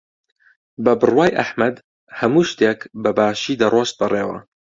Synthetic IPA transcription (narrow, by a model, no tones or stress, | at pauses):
bɐbɨrwaːjʔɐħmɐd̪ | hɐmuːʃt̪eːkbɐbaːʃiːd̪ɐrˤwost̪̚bɨreːwɐ̰